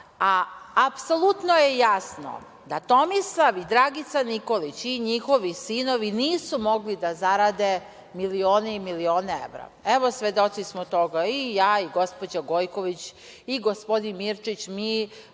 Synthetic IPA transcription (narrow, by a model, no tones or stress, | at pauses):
aːpso̞lˠut̪noje̞jasno̰ | d̪at̪o̞mislˠaʋid̪ɾaɡit̪saniko̞lit͡ɕiɲixo̞ʋisinoʋiniːsumo̞ɡlid̪azaɾad̪e̞ | milioːneimilio̞ːneḛʋɾa̰eʋo̞sʋed̪o̞t̪sismot̪o̞ɡaijaːiɡo̞spo̞d͡ʑaɡo̞jko̞ʋit͡ɕ | iɡo̞spo̞d̪inmiɾt͡ʃit͡ɕmiː